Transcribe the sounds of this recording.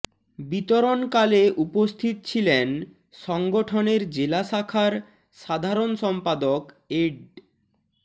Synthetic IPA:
bit̪oɾonkaleʔupost̪ʰit̪̚t͡ɕʰilen | ʃɔŋɡoʈʰoneɾd͡ʑelaʃakʰaɾ | ʃad̪ʱaɾonʃɔmpad̪ok | eɖ

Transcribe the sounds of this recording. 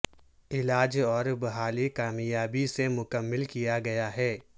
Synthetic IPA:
ɪlaːd͡ʒɔːɾbɐɦaːlikaːmjaːbisemʊkəmːɪlkijaɡɐjaɦɛː

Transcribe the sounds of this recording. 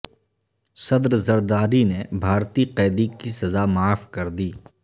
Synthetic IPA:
sɐd̪ɾzɐɾd̪aːɾinebʱaːɾt̪iqɛːd̪ikisɐzamaːfkɐɾd̪iː

